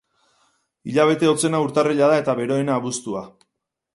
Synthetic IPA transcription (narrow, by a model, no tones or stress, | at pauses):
iʎaβ̞e̞t̪e̞o̞t͡se̞nauɾt̪areʎaðae̞t̪aβe̞ɾo̞enaːβust̪ua